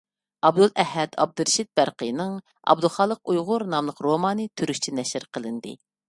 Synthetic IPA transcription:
ɑbd̪ulˠʔɛɦɛd̪ɑ̰b̚d̪ɨɾʃit̪̚bæɾqəjnɨŋ | ɑ̰bd̪ulˠχɑːlˠəqujʁʊɾnɑmlˠəqɾomɑːnɨt̪ʰyɾyʃt͡ʃʰinɛʃɪɾqʰəlˠɨnd̪ɨ̰

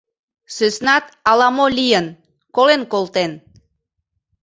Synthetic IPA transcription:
søsnɑt̪ɑlɑmolʲijən | kolenkolˠt̪en

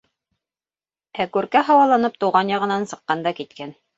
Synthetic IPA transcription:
ækʉɾkæɦɑwɑlˠɑnɤp̚t̪uwʁɑnjɑʁɤ̆nɑnsɤ̆qːɑnd̪ɑkit̪̚kæn

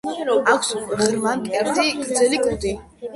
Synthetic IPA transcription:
akʰsʁɛɾmankʼɛɾt̪ʰikʼd̪zɛlikʼud̪i

